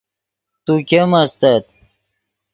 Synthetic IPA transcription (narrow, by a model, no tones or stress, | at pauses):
t̪ukʲemɐst̪ɐt̪̚